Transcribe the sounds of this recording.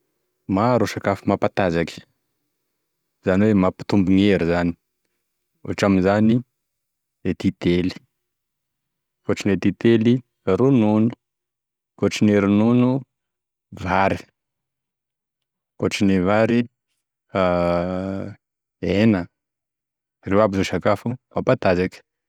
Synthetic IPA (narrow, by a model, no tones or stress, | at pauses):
maɾoʃakafimapat̪azaki̥ | z̥aniwemapi̥t̪umbuŋeɾizani̥ | o̰ʈ͡ʂaminzani | et̪it̪eli̥ | koʈ͡ʂinet̪it̪eli | aɾununu̥ | koʈ͡ʂineɾinunu | vaɾi̥ | koʈ͡ʂinevaɾi | a | enə | rewabizoʃakafuapat̪azak